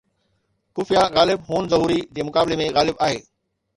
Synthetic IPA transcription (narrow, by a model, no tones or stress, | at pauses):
kʊfijaɣaːlɪbɦuːnzɐɦuːɾid͡ʑĩːmʊkaːbɪlemẽɣaːlɪbaːɦḛː